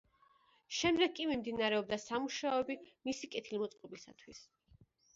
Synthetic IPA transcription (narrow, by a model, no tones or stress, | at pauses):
ʃɛmd̪ɛɡ̚kʼimimd̪inaɾɛɔb̚d̪asamuʃaɔɛbimisikʼɛt̪ʰilmɔt̪sʼqʼɔbisa̰t̪ʰwis